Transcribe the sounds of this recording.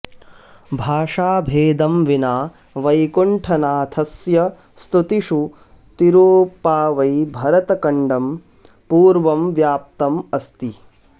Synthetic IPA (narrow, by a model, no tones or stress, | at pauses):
bʱaːʂaːbʱeːd̪ɐmʋinaː | ʋɐjkuɳʈʰɐnaːt̪ʰɐsjɐ | st̪ut̪iʂu | t̪iɾoːpaːʋɐjbʱɐɾɐt̪ɐkɐɳɖɐm | puːɾʋɐmʋjaːp̚t̪ɐmɐst̪i